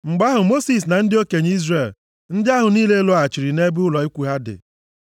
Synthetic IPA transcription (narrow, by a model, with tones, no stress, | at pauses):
ŋ͡m̩˨ɡ͡ba˦ɦʊ˨mo˦si˨s̬na˨n̩˦dɪ˦o˦ke˨ɲ˦i˦zre˨l | n̩˦dɪ˦a˦ɦʊ˨niː˦le˦lo˦a˨t͡ʃi˨ɾi˨ne˦bʊ˦lɔ˨i˦kʷu˨ɦa˦dɪ̰˨